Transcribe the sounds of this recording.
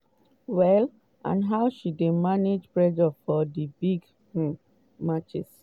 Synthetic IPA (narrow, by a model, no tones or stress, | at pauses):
wɛl | ã̰nɦaʊʃidemaned͡ʒpɹɛd͡ʒɔfɔdibiɡ | mat͡ʃɛ̰s